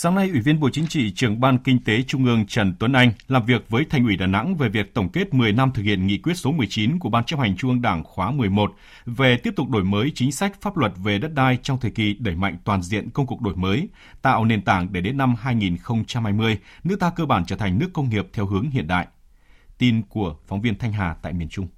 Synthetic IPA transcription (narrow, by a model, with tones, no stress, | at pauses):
saː˨˦ŋna˧jʔwi˧˩vi˧ənɓo̰˧˨t͡ɕi˨˦ŋ̟t͡ɕḭ˧˨t͡ɕɨ˨˩əŋɓaː˧nkï˧ŋ̟t̪e˨˦t͡ɕʊ˧ŋ͡mʔɨ˧əŋt͡ɕə˧˩nt̪wə˨˦nʔa˧jŋ̟laː˨˩mvi˨˩ək̚vəː˨˦jt̪ʰa˨˩jŋ̟ʔi˧˩ɗaː˧˨˩na̰˧˥ŋve˨˩vi˨˩ək̚t̪ə˧˩wŋ͡mke˦˥t̚mɨ˨˩əjna˧mt̪ʰɨ˨˩k̚hḭ˧˨ənŋḭ˧˨kwi˦˥ət̚so˨˦mɨ˨˩əjt͡ɕi˨˦nku˧˩əɓaː˧nt͡ɕa˦˥p̚ha˨˩jŋ̟t͡ɕʊ˧ŋʔɨ˧ə˧ŋɗaː˧˩ŋxwaː˨˦mɨ˨˩əjmo˨˩t̚ | ve˨˩t̪i˦˥əp̚t̪ʊ˨˩k͡p̚ɗo˧˩jməː˨˦jt͡ɕï˨˦ŋ̟sa˦˥k̚faː˦˥p̚lwə˨˩t̚ve˨˩ɗə˦˥t̚ɗaː˧jt͡ɕɔ˧wŋ͡mt̪ʰe˨˩ki˨˩ɗə˧˩jma̰˧˨jŋ̟t̪waː˨˩nzḭ˧˨ənkə˧wŋ͡mku˨˩ək̚ɗo˧˩jməː˨˦j | t̪a̰ː˧˨wne˨˩nt̪aː˧˩ŋɗe˧˩ɗe˨˦nːa˧mɦaː˧jŋi˨˩nxə˧wŋ͡mt͡ɕa˧mha˧jmɨ˧əjnɨ˦˥t̪aː˧kəː˧ɓaː˧˩nt͡ɕəː˧˩t̪ʰa˨˩ŋ̟nɨ˦˥əkːə˧wŋ͡mŋi˨˩əp̚t̪ʰɛ˧wɦɨ˨˦əŋɦḭ˧˨ənɗa̰ː˧˨jʔ | t̪i˧nku˧˩əfɔ˨˦wŋ͡mvi˧ənt̪ʰa˧jŋ̟ɦaː˨˩t̪a̰ː˧˨jmi˨˩ənt͡ɕʊ˧ŋ͡m